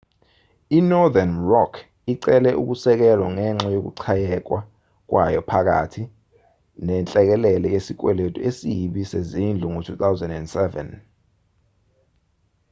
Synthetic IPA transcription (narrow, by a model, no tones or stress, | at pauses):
inɔdanrɔkʰ | iǀɛlɛʔṵk̬usɛk̬ɛlwaŋɛŋ͡ǁɛjok̬ṵǀʰajɛk̬wa | k̬wʔajɔpʰak̬a̰tʰi | nɛnt͡ɬʼɛk̬ɛlɛlɛk̬esik̬ʼwɛletʼuesijɓisezind͡ɮʱuŋotʰut̪awzɛndɛndsɛvɛ̰n